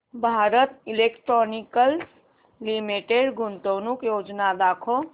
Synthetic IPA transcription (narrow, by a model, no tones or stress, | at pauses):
bʱaɾət̪ilekʈɾonikəls | limiʈeɖɡʱunt̪ownukjod͡ʒnad̪akʰo